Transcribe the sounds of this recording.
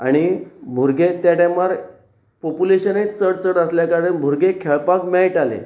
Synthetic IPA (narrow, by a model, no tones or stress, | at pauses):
aɽ̃ibʱuɾɡet̪jaʈẽmaɾ | populeɕənet͡səɽt͡səɽəsljakaɾənbʱuɾɡekʰɛɭpakmɛɭʈalḛ